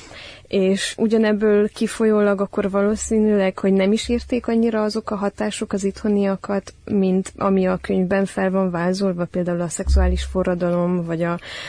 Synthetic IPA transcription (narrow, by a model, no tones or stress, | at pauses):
eːʃʔuɟɒnɛbːøːlkifo̞joːlɒɡɒkːo̞rvɒloːsiːnylɛkho̞ɟnɛmiʃiːrt̪eːkɒɲːiɾɒɒzo̞kɒɦɒt̪aːʃo̞kɒzit̪ho̞nijɒkɒt̪mint̪ɒ̰miɒkøɲvbɛɱfɛlvɒɱvaːzolvɒpeːld̪aːulɒsɛksuaːliʃforːɒd̪ɒlo̞mvɒɟɒ